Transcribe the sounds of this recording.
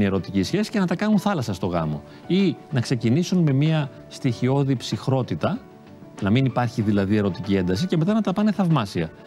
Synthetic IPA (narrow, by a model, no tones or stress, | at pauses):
ie̞ɾo̞t̪icisçe̞si̥ce̞nɐt̪ɐkɐnunθɐlɐsɐst̪o̞ɣɐ̰mo̞̰ | inɐkse̞cinisunme̞miɐ | st̪içio̞ðipsixɾo̞t̪it̪ɐ | nɐminipɐɾçiðilɐðie̞ɾo̞t̪icie̞nd̪ɐs̬ice̞me̞t̪ɐnɐt̪ɐpɐne̞θɐvmɐsiɐ